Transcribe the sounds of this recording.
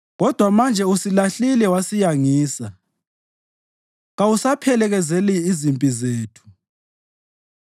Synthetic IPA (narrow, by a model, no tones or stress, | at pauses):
ɣɔd̥ʱwamand͡ʒʱɛusilaɬilɛwasijaŋiːsa | ɣawusapʰɛlɛɣɛzɛliːzimpʼizeːtʰu̥